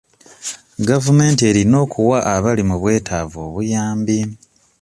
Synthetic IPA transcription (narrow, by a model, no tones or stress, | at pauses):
ɡavume̞ːntie̞ːɾino̞ːkuwaʔːβalimuβwe̞ːtʰaːvo̞̰ːβujaːmbi